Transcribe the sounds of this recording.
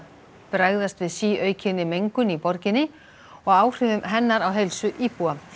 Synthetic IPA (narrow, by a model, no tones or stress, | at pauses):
pɾajɣðast̪vɪðsiːœːɥcʰɪnːɪmejŋkʏnipɔɾcɪnːɪ | ɔɣaːwr̥ɪðʏmɦɛnːaɾawɦejlsʏʔiːpua